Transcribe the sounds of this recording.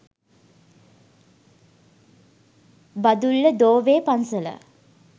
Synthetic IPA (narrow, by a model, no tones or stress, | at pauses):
bad̪ulːəd̪oːʋeːpansələ̰